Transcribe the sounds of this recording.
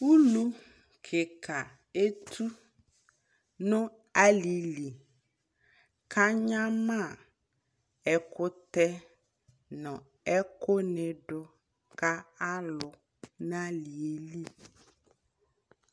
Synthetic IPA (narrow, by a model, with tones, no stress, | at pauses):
wu˦lu˦ | kʰe˨kʰa˨ | e˦t̪ʰu˦ | nõ˦ | a˦li˨li˨ | kʰa˦ɲã˦mã˦˨ | ɛ˨kʊ˦t̪ɛ˦ | nɔ̃˨ | ɛ˦ko˦nɛ̃˨ɖʊ˦ | ka˦a˦lʊ˨ | nã˦li˨e˨li˦